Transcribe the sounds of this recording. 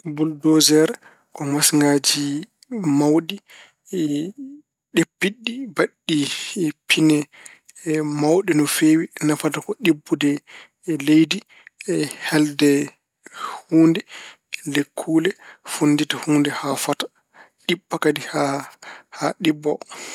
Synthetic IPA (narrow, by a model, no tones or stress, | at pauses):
buldɔzɛɾ | kɔmasŋɡad͡ʒi | mawɗi | ɗepːiɗːibaɗːipʰinɛ | mawɗinɔfeːwinafatakɔɗibːudɛ | lejdi | hɛldɛ | huːndɛ | lekʰːulɛfunːditahuːndɛhafatḁ | ɗiɓːakadihahaɗibːɔ